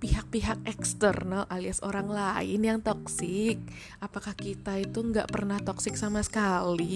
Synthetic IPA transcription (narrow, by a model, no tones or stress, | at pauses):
piɦak̚piɦak̚ɛkst̪ərnəlʔaliasoɾaŋlaɪ̰njaŋt̪ɔksɪk̚ | ʔapakahkit̪ait̪uŋɡa̰ʔpərnaht̪ɔksɪk̚samasə̥kali